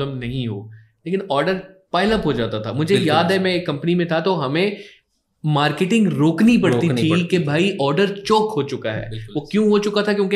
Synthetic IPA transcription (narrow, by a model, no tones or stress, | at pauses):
ləmnɐɦĩɦo̰ːleːkɪnɔːɾɖəɾpaːɪləpɦod͡ʒaːt̪at̪ʰamʊd͡ʒʱejaːd̪ɦɛmɛ̃kːɐ̃mpənimẽt̪ʰat̪oɦɐmẽ | maːɾkeʈɪ̃ŋɡɾoːknip̬ɐɽt̪inʰikebʱaːiʔɔːɾɖəɾt͡ʃoːkɦot͡ʃʊkaɦɛ̰ːɪʋokjũɦot͡ʃʊkat̪ʰakjõːke